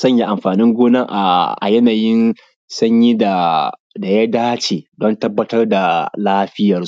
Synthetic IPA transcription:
sɐ˦˨ɲji˦ʔa˨mɸaː˨nɪ˦ŋɡʷoː˦nɐ˦ŋʔa˨ʔa̰˨jɐ˦naː˨jɪ˦n | sɐ˦ɲji˦da˨ | da˨ja˦daː˦t͡ʃeː˨dɔ˦ntɐ˦bːɐ˦tɐ˦rda˨laː˦ɸɪ˦jɐ˨rs

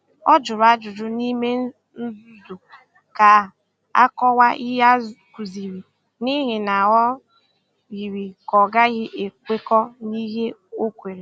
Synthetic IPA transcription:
ɔ˦d͡ʒʊ˨ɾʊ˨a˦d͡ʒʊ˨d͡ʒʊ˦ni˦me˦ | n̩˦du˨ | ka˨ | a̰˦kɔ˦wa˦ʔi˦ɦa˦ku˨zi˨ɾi˨ | ni˦ɦɪ˨na˨ɦɔ˦ | ɣi˨ɾi˨kɔ˨ɡa˦ɣɪ˦ʔe˨kʷe˦kɔ˦ni˦ɦe˦o˦kʷe˨ɾe˨

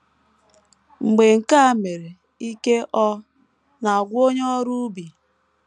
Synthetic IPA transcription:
ŋ͡m̩˨ɡ͡be˨ŋ̩˨ka˦a˦˨me˨ɾe˨ | i˦ke˦ʔɔ˦ | na˨ɡʷo˦ɲɔ˦ɾu˦bi˨

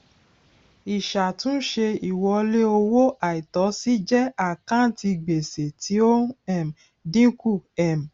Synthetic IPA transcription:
i˨ʃa˨tũ˦ʃe˧i˨wɔ˧le˦o˧wo˦ʔa˨i˨tɔ˨˦si˦d͡ʒɛ˦a˦˨kã˦n˦ti˧ɡ͡be˨se˨tʰi˨˦o˦ɛ˦˨m̩˨ | dĩ˦ku˦˨ɛ˨m˨

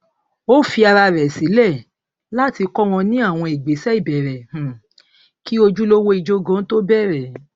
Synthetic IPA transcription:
o˦fi˧a˧ɾa˧ɾɛ˨si˨˦lɛ˦˨ | la˦ti˧kɔ˦w̃ɔ̃˧nĩ˦a˦˨w̃ɔ̃˧e˨ɡ͡be˨˦sɛ˦i˦˨bɛ˨ɾɛ˨h̩˨ | ki˦o˧d͡ʒu˦lo˦wo˦i˧d͡ʒo˦ɡã˨˦to˦bɛ˦˨ɾɛ˨

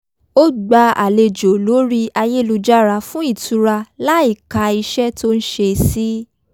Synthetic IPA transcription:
o˦ɡ͡ba˧a˨le˧d͡ʒo˨lo˨˦ɾi˦a˧je˦˨lu˧d͡ʒa˦ɾa˧fũ˦i˦˨tu˨˧ɾa˧la˦i˦˨ka˧i˧ʃɛ˦to˦n̩˦ʃe˧si˦

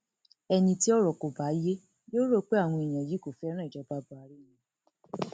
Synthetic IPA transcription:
ɛ˧nĩ˧ti˦ɔ˦ɾɔ˨ko˨ba˨˦je˦ | joː˦ɾo˦˨k͡pe˦a˦˨w̃ɔ̃˧i˨j̃ã˨ji˨˦ko˦˨fɛ˦ɾ̃i˨d͡ʒɔ˨˦ba˨˦bu˧˦a˧ɾi˦˨jĩ˨

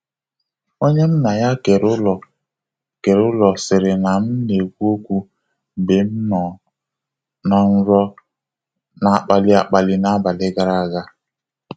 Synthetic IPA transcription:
o˦ɲe˦m̩˦na˨ja˦ke˨ɾʊ˦lɔ˨ | ke˨ɾʊ˦lɔ˨sɪ˨ɾɪ˨na˨m̩˦ne˨kʷu˦o˦kʷu˦˨ | be˨m̩˦nɔ˨ | na˨n̩˦ɾɔ˦ | na˨a˨k͡pa˨lɪ˦a˨k͡pa˨lɪ˦na˦ba˨lɪ˦ɡa˨ɾa˦˨ɡa˦

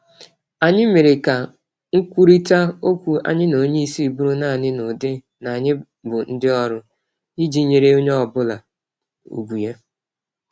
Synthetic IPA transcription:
a˨ɲɪ˦me˨ɾɪ˨ka˨ | ŋ̩˦kʷu˦ɾi˦ta˦o˦kʷu˨a̰˦ɲɪ˦no˨˦ɲe˦i˦si˦˨bu˦ɾʊ˦na˦˨nɪ˦nʊ˨dɪ˦ | na˨ɲɪ˦ | bʊ˨n̩˦dɪ˦ɔ˦ɾʊ˦ | i˦d͡ʒi˦ɲe˨ɾe˦o˦ɲe˦ɔ˦bʊ˦la˨ | ṵ˨ɡu˨je˦

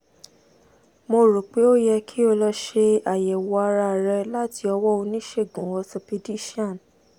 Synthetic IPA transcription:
mo˧ɾo˨k͡pe˨˦o˦jɛ˧kʰi˦o˧lɔ˧ʃe˧a˨jɛ˨wɔ˧a˧ɾa˧˨ɾɛ˧la˦ti˧ɔ˧wɔ˦o˧nĩ˦ʃe˦˨ɡũ˨˦wɔ˧sɔ˧pi˧di˦ʃi˦ã˦˨n

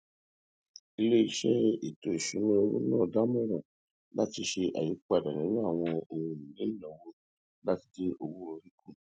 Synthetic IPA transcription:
i˧le˦i˧ʃɛ˦i˨to˨i˨ʃu˨˦nĩ˦o˧wṵ˦nãː˦˨da˦mɔ̃˦ɾɔ̃˨ | la˦ti˧ʃe˧ʔa̰˨ji˨˦k͡pa˨dã˨ĩ˨˦nũ˦a˦˨w̃ɔ̃˧o˧˨wũ˧˨nĩ˨le˨˦i˦˨ɔ̃˨wo˧ | la˦ti˧de˦ʔo˧wu˦ɾo˧ɾi˦kʰũ˦˨

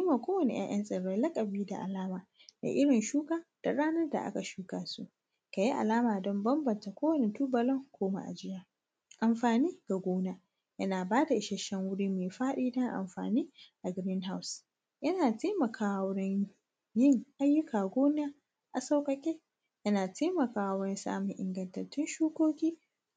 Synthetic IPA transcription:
i˦ma˨kʷoː˦wɐ˨nḛ˨ʔɐ̰˦ʔɐ˦nsʼɐ˨ɽoː˨˦lɐ˦kʼɐ˨biː˦da̰˨ʔa̰˨laː˦maː˨ | da̰˨ʔɪ˦ɽɪ˨nʃuː˦kaː˦d̥a˨ɽaː˦nɐ˦rda̰˨ʔa̰˦ka˨ʃuː˦ka˨sṵ˦ʔ | ka˨ji˦ʔa̰˨laː˦maː˨dɔ˦mbɐ˦mbɐ˨nta˨kʷoː˦wɐ˨ne˨tu˦bɐ˨lɔ˦ŋkʷoː˦ma̰˨ʔa̰˨d͡ʒɪ˦ja˦ | ʔa˨mɸaː˨niː˦ɡ̥a˨ɡʷoː˦na˦ | jɐ˦naː˨baː˦da˨ʔɪ˦ʃɐ˦ʃɐ˦ŋwʊ˦ɽiː˦meː˨ɸaː˦ɗiː˦dɐ˦ŋʔa̰˨mɸa̰ː˨niː˦ʔa˨ɡɪ˨ɾɪ˦nɦa˦ws | jɐ˦naː˨teː˦mɐ˨kʰaː˨wʊ˦ɽɪ˦ɲ | jɪ˦˨ŋʔa˦jːʊ˦kaː˨ɡʷoː˦n˦aː˦ | ʔa˨sa˦wkʼɐ˦kʲeː˦ | jɐ˦naː˨teː˦mɐ˨kaː˨wwɾɪ˦nsa̰ː˦mʊ˨ŋʔɪ̰˨ŋɡɐ˦˨ntɐ˨rtɪ˦nʃuː˦koː˦kʲiː˦

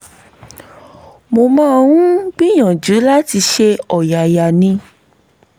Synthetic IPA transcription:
mo˨mãː˦˧wũ˦ɡ͡bi˦j̃ã˨d͡ʒu˨˦la˦ti˧ʃe˧ɔ˨ja˨ja˨nĩ˧

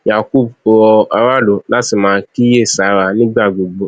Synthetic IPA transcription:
ja˨ku˦˨b̚o˧ɔ˧a˧ɾa˦lo˨˦la˦ti˧˨mãː˦ki˦je˦˨sa˨˦ɾa˧˦nĩ˦ɡ͡ba˦˨ɡ͡bo˨ɡ͡bo˦

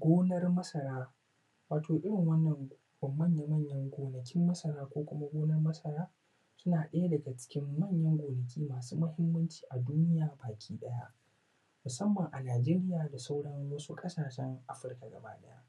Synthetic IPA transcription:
ɡʷoː˦nɐ˦rmɐ˦sɐ˨ɾaː˦ | waː˨tʰoː˨ʔɪ˦ɽɪ˨ŋwɐ˦nːɐ˨ŋ | bɐ˨mːɐ˦˨ɲja˨mɐ˦˨ɲjɐ˦ŋɡʷoː˨nɐ˨kʲɪ˦mːɐ˦sɐ˨ɾaː˦kʷoː˦kʷʊ˦ma˦ɡʷoː˦nɐ˦rmɐ˦sɐ˨ɾaː˦ | sʊ˦naː˨ɗɐ˦ja˦dɐ˨ɡa˨t͡ʃɪ̥˦kʲɪ˦mːɐ˦˨ɲjɐ˦ŋɡʷoː˨nɐ˨kʲiː˦maː˨sṵː˦mɐ˦hɪ˦mːɐ˦nt͡ʃi̥ː˨ʔa˨duː˦nɪ˦jaː˨baː˨kʲʰiː˦ɗɐ˦ja̰˦ʔ | mʊ˨sɐ˦mːɐ˨ŋʔa˨naː˨d͡ʒeː˦ɾɪ˦jaː˨da˨sa˦wɽɐ˦ŋwɐ˦su˦kʼɐ˦saː˨ʃɛ˦ŋʔa˦ɸɪ˦rka˨ɡɐ̰˨ba̰ː˦ɗɐ̰˦ja̰˦ʔ

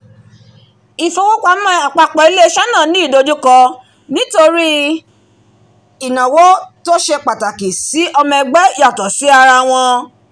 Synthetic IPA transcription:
i˨fo˧wo˦kʷa˧mã˦a˨k͡pa˧k͡pɔ˨i˨˦le˦ʃa˦nã˦˨nĩ˦i˦˨do˧d͡ʒu˦kɔ˧ | nĩ˨˦to˧ɾi˦ | i˨nã˨wo˦to˦ʃɛ˧k͡pa˨ta˨ki˨si˨˦ʔɔ˧mɛ̃˧ɡ͡bɛ˦ɔ˨tɔ˨si˨˦a˧ɾa˧w̃ɔ̃˧

